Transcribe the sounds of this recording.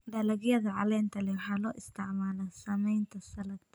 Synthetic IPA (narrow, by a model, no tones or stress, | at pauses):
d̪ɐlɐɣjɐðɐʕɑlɛːnt̪ʰɐlɛwħaːlɔːʔɪst̪ʰɪʕmaːlɐsɐmɛjnt̪ʰɐsɐlɐt̪